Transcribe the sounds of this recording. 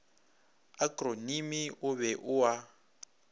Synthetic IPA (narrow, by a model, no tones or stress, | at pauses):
akronimiʊβɛʔʊwa